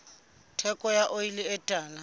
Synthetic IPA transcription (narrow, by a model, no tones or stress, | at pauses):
tʰɛkʼɔjaʔoilɪɛtʼaːla